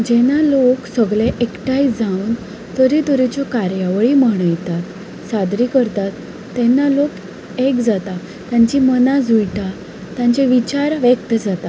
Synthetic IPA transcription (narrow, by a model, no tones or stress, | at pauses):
d͡ʑɛnaloksəɡɭeʔekʈajd͡zaun | t̪əɾit̪əɾit͡ɕɔkaɾjaʋəɭiməɽ̃əjt̪at̪ | sad̪ɾikəɾt̪at̪ː | ɛnːalok | ekd͡zat̪a | t̪jaɲt͡ɕimənad͡zujʈa | t̪jãt͡ɕeʋit͡ɕaɾʋɛkt̪əd͡zat̪a